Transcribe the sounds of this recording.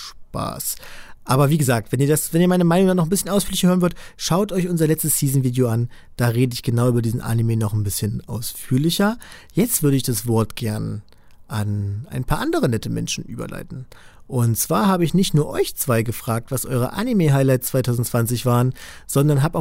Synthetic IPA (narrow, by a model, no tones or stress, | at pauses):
ʃpa̰ːsʔaːbɐviːɡəzaːk̚tv̥ɛniːɐdasvɛniːɐmaɪnəmaɪnʊŋdanɔχn̩bɪsçənaʊsfyːɐlɪçɐhøːʁənvʏɐdəʃaʊtʔɔʏçʔʊnzɐlɛt͡stəsːiːzn̩viːdeoan | d̥aːʁeːdəɪçɡ̥ənaʊʔyːbɐdiːzn̩ʔa̰nimeːnɔχnbɪsçənʔa̰ʊsfyːɐlɪçɐ | jɛt͡stv̥ʏɐɾəɪçd̥asv̥ɔɐtɡ̥ɛɐn | ʔanʔa̰ɪnpʰaːɐʔandəʁ̞ənɛtəmɛ̰nʃn̩ʔy̰ːbɐ̰lʔa̰ɪtn̩ | ʔʊntt͡sv̥aːɐɦaːbəɪçnɪçtnuːɐʔɔʏçt͡sv̥aɪɡəfʁ̥aːk̚tv̥asʔɔ̰ʏʁə̰ʔa̰nimeɦaɪlaɪtst͡sv̥aɪtʰaʊzn̩tt͡sv̥ant͡sɪçv̥aːʁənz̥ɔndɐnɦaːpʔaʊ